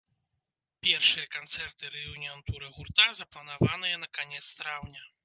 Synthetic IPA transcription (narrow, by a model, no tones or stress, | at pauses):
pʲɛrʂɨjɐkant̪sɛrt̪ɨɾɛjunʲiant̪uɾɨɣurt̪azɐplˠɐnavanɨjɐnɐkanʲɛt̪st̪ɾawnʲɐ